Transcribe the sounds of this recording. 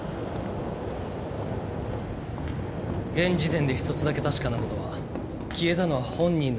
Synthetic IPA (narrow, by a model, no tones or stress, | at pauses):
ɡẽ̞ɲd͡ʑit̪ẽ̞nd̪e̞çi̥t̪o̞t͡sɨd̪ake̞t̪aɕi̥kanako̞t̪o̞βa̰ | kʲie̞t̪ano̞βahõ̞ɲ̟ːĩnː